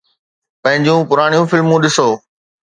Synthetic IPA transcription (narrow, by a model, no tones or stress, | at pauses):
pɐ̃ɦɪ̃ɲd͡ʑũpʊɾaːɽ̃ijũfɪlmũɗɪsoː